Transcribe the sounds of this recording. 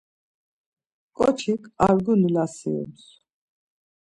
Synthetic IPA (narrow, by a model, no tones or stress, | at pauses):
kʼɔ̰t͡ʃʰikʰa̰ɾɡunilasḭṵms